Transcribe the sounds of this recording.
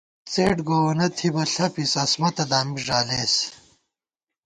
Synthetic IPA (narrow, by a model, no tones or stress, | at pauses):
t͡sḛːʈɡoːwɐnɐt̪ʰibɐɬɐpisɐsmɐt̪ɐd̪aːmiʐaːleːs